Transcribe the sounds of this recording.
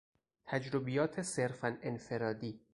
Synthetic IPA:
t̪ʰæd͡ʒɾobijɒːt̪ʰe̞se̞ɾfænenfe̞ɾɒːd̪iː

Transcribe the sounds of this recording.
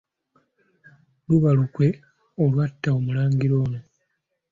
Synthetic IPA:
luβalukwe̞ | olwatːaomulaːŋɡiɾo̞ːno̞

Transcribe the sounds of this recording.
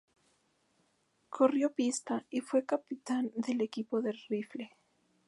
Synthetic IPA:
kʰo̞rjo̞pist̪aifwe̞kapit̪and̪e̞le̞kipo̞ðe̞rifle

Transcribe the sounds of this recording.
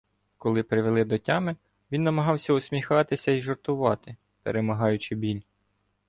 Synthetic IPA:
kɔlˠɪpɾɪʋelˠɪd̪ɔtʲɑmɪ | ʋʲinːɐmɐɦɑwsʲɐʊsʲmʲixɑt̪ɪsʲɐiʒɔrt̪ʊʋɑt̪ɪ | pḛɾemɐɦɑjʊt͡ʃɪbʲilʲ

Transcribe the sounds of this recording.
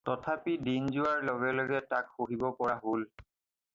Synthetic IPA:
tɔtʰapidinzʊwaɹlɔɡɛlɔɡɛtakxoɦibɔpɔɹaɦol

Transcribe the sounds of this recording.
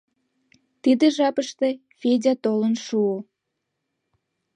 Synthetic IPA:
t̪id̪eʒɑpəʃt̪e | fedʲɑt̪olənʃuo

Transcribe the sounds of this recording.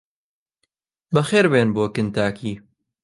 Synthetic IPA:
bɐxeːɾbeːnboːkɨnt̪aːkʰiː

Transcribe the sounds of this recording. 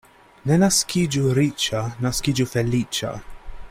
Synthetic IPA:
nɛnɐskid͡ʒuɾiːt͡ʃɐnɐskiːd͡ʒufɛlːiːt͡ʃɐ̰

